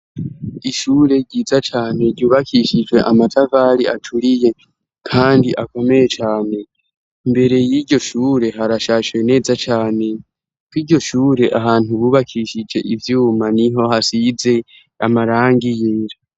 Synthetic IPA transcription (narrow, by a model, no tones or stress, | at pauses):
iʃuːɾe̞ɾɟiːzat͡ʃaːne̞ɾɟuːβakʰiʃid͡ʒwe̞ʔamatʰavaːɾia̰tʰuɾije̞ | kʰaːndiʔako̞me̞jet͡ʃaːne̞ | imbe̞ɾe̞jiːɾɟo̞ʃuːɾe̞ɦaɾaʃaːʃwene̞ːzat͡ʃaːne̞ | kwiɾɟo̞ʃuːɾe̞ʔaɦaːn̥uβuːβakʰiʃid͡ʒe̞ʔivjuːmaniɦo̞hasize̞ | amaɾaːŋɡijeːɾa